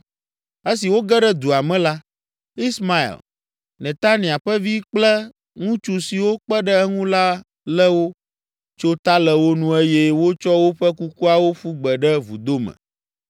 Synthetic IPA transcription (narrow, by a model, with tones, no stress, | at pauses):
e˦si˨wo˦ɡɛ˦ɖɛ˦d̪u˨a˨mɛ̃˦la˦ | i˦sma˦ḭ˨l | nẽ˨t̪a˦nĩ˨a˨ɸɛ˦vi˦k͡plɛ˦ | ŋũ˦t͡ʃu˨si˨wo˦k͡pɛ˦ɖɛ˦ɛ˦ŋũ˦la˦ | lɛ˦wo˦ | t͡ʃo˦t̪a˦lɛ˨wo˦nũ˦e˦je˦wo˦t͡ʃɔ˦wo˦ɸɛ˦ku˦ku˦a˨wo˦ɸu˦ɡ͡bɛ˨ɖɛ˦vu˨d̪o˦mɛ̰̃˨